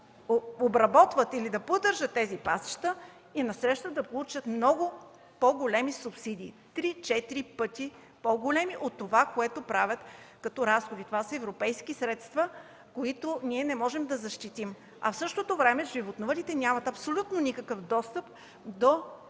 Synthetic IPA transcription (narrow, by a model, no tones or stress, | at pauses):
oobɾɐbɔt̪vət̪ilid̪ɐpod̪ɤɾʒət̪ːɛzipasə̥ʃt̪ə | inɐsɾɛʃt̪əd̪ɐpolˠut͡ʃət̪mnɔɡʊ | poɡolɛmisupsid̪ʲiːt̪ɾit͡ʃɛt̪iɾipɤt̪i | poɡolɛmiʔot̪ːovakoɛt̪opɾavʲət̪kɐt̪ɔɾasxod̪it̪ovasəɛvɾopɛjskisɾɛt̪st̪və | koit̪ʊnʲiɛnɛmɔʒɛmd̪ɐzɐʃt̪it̪im | ɐ̰fsɤʃt̪ot̪ovɾɛmɛʒivot̪novəlit̪ɛnʲamɐt̪ɐpsolʲut̪nonikəkəfd̪ɔst̪əp | d̪o